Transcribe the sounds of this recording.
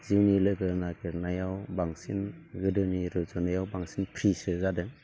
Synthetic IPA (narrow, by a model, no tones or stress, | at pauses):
ziwnilɯɡɯɾnaɡɯɾnajawbaŋsinɡɯdɯniɾɯzɔnajawbaŋsinpʰɾisɯzadɯ